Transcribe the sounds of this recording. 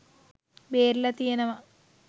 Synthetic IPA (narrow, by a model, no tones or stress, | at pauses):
beːɾlɐt̪ijɐnɐmɐ